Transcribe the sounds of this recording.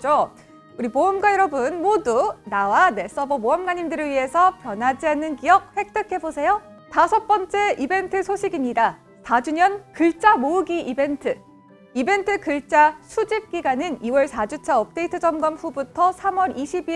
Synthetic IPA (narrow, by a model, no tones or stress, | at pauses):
t͡ɕo | uɾimoʌmɡwajʌɾʌbɯnmodunawane̞s͈ʌbʌmoʌmɡaɲimdɯɾɯɭɥiɦe̞sʰʌpjʌnɦad͡ʑiɦanːɯnkijʌk̚ɸwe̞k̚t͈ɯkʰe̞bosʰe̞jo | tasʰʌp͈ʌnt͡ɕ͈e̞ibe̞ntʰɯsʰoɕʰiɡimɲida | tad͡ʑuɲʌnkɯɭt͡ɕ͈amoɯɡiʔibe̞ntʰɯ | ibe̞ntʰɯkɯɭt͡ɕ͈asʰud͡ʑip̚k͈iɡanɯniwʌɭsʰad͡ʑut͡ɕʰaʌp̚t͈e̞itʰɯd͡ʑʌmɡʌmɸubutʰʌsʰamwʌɾiɕʰibi